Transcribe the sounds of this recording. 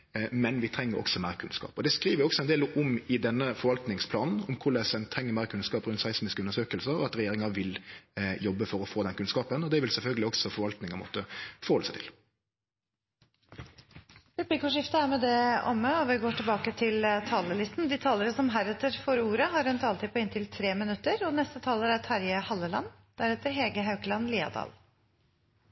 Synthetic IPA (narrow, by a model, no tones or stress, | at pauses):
mɛnʋɪt̪ʰɾɛŋːəɾʔɔ̰ksɔmæɪɾəkʰʉnskɑ̰ːpɔd̪ɛskɾiːʋəɾɪɔksɔɛnd̪eːləʔʊmɪd̪ɛnːəfɔɾʋɑlt̪nɪŋspʰlɑːnn̩ɔmkʰʊlɛsɛnt̪ʰɾɛŋːəmæːɾəkʰʉnskɑːpʁʉnt̪sæɪsmɪskəʉnəʂsøːkəlsəɾɔɑt̪ɾɛjeːɾɪŋɑʋɪljɔbːəfɔɾɔfoːd̪ɛnkʉnskɑːpənɔd̪ɛʋɪlsɛlfœlɡəlɪɔksɔfɔɾʋɑlt̪nɪŋɑmɔ̰t̪əfɔɾhɔləsæɪt̪ʰɪ̥̰l | pʉblɪkʊʂɪft̪əæɾmɛd̪ɛɔ̰məɔʋɪɡoːʈɪlbɑːkət̪ʰɪlt̪ʰɑːləlɪst̪n̩d̪ɪːt̪ʰɑːləɾəsɔmɦæɾɛt̪əɾfɔɾuːɾəɦɑɾœnt̪ɑlt̪ʰipʰɔɪnt̪ʰɪlt̪ʰɾeːmɪnʉt̪ːəɾɔnɛst̪ət̪ʰɑːləɾæt̪ʰɑɾjəhɑlːəlɑ̰n | d̪̥æɾɛt̪əɾɦeːɡəɦɑʉkəlɑnliːɑ̰d̪ɑ̰ːl